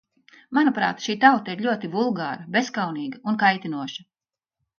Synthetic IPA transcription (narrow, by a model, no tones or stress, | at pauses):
manupɾa̰ːt̪ʃiːt̪awt̪aiɾʎʲuɔt̪ivulˠɡaːɾɐbeskawniːɡɐunkajt̪inuɔʃɐ̥